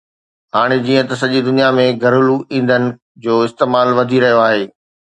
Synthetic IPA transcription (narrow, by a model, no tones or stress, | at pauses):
ɦaːɽ̃ed͡ʑiːə̃t̪ɐsɐʄid̪ʊnijamẽɡʱɐɾʊluʔĩːn̆d̪ənɪ̆ | d͡ʑoːɪst̪eːmaːlʋɐd̪ʱiɾɐɦijoaːɦeː